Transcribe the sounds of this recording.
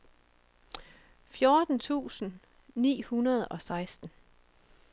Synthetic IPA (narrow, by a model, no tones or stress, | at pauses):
fjoːd̥n̩t͡sʰṵːsn̩ | nḭːhunɐð̞̩ˠɒ̽sɑ̈ɪsd̥n̩